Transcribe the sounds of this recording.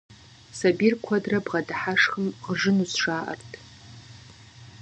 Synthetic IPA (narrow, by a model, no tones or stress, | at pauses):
sabirkʷʰɐdrɐbʁɐdħaʂxəmʁʐɨnusʂaːʔɐ̰rtʰ